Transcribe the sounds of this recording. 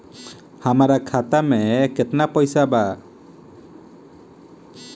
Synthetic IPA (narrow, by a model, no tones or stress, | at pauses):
hamaɾakʰat̪amɛkɛt̪napɔjsaba